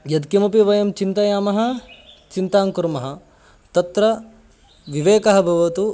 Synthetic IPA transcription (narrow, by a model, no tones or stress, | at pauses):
jɐd̪kimɐpiʋɐjɐmt͡ʃint̪ɐjaːmɐɦɐt͡ʃint̪aːŋkuɾmɐɦɐ | t̪ɐt̪ɾɐ | ʋiʋeːkɐɦɐbʱɐʋɐt̪u